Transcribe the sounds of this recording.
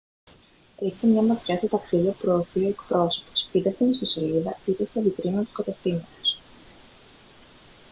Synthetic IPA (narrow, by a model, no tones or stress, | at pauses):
eçsemɲɐmɐt̪çɐst̪ot̪ɐksiðiɐpupɾo̞ːθioe̞kpɾo̞so̞̥po̥sit̪ɐst̪inist̪osiliðɐit̪est̪ɐd̪ik̪ɾinɐt̪u̥skɐt̪eft̪imɐt̪o̥s